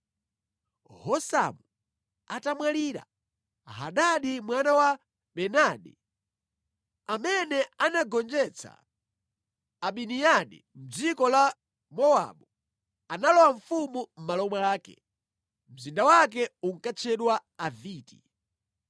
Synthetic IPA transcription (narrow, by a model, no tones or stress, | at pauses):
hɔsa̰mu | atamwaliːɾa̰ | ɦa̰ɗaɗimwanawa | ɓɛnaɗɛ | amɛnɛanaɡɔnd͡ʒɛt͡sʰa̰ | aɓinijaɗḭ | m̩d͡zikɔla | mɔwa̰ɓu | analɔwaɱ̩fumum̩malɔmwaaːkɛ̰ | m̩zindawak̬ɛuŋ̩kat͡ʃʰɛɗwaaviːti